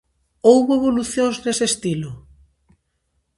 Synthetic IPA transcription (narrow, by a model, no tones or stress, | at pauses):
owɣoeβ̞oluθjõŋznesest̪ilo